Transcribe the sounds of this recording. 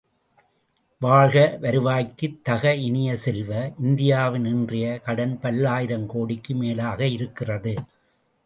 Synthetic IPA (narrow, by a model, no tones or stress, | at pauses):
ʋaːɻɣɐʋɐɾɯʋaːjkːɯt̪ːɐɣɐɪɳɪjɐsɛlʋɐʔɪnd̪ɪjaːʋɪnɪndrɪjɐkɐɽɐnpɐlːaːjɪɾɐmkoːɽɪkːɯmeːlaːɣɐɪɾɯkːɪrɐðɯ